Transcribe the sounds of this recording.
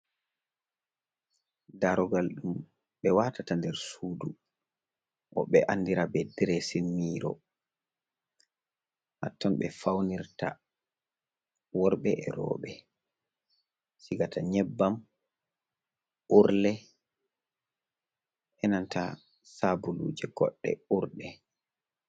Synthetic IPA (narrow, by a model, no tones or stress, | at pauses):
daɾɔɡalɗum | ɓɛwatatandɛɾsuːdu | ʔɔɓɛʔanːdiɾabɛdɾɛsinmiːɾɔ̰ | ha̰tːɔnɓɛfawniɾta̰ | wɔɾɓɛʔɛɾɔ̰ːɓɛ | siɡataɲɛbːam | ʔuɾlɛ | ʔɛnanta | sabulṵːd͡ʒɛɡɔ̰ɗːɛ̰uɾɗɛ